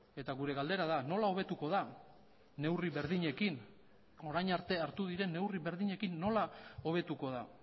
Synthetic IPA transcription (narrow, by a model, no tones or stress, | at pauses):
e̞t̪aɣuɾe̞ɣald̪e̞ɾaðano̞lao̞β̞e̞t̪uko̞ða | ne̞wriβe̞ɾðiɲe̞kin | o̞ɾajɲaɾt̪e̞aɾt̪uð̞iɾe̞nːe̞wriβe̞ɾðiɲe̞kinːo̞lao̞β̞e̞t̪uko̞ð̞a